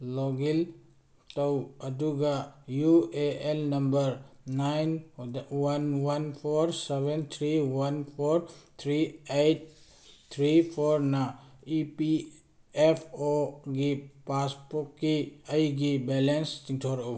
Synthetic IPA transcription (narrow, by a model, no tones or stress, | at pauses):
lɔɡil | tawɐduɡajueelnɐmbɐɾnajnwanwanpʰɔɾsebent̪ʰɾiwanpʰɔoɾt̪ʰɾiejt̚ | t̪ʰɾipʰɔɾnaipi | epʰoɡipaspɔkːiɐjɡibelenstiŋtʰoɾw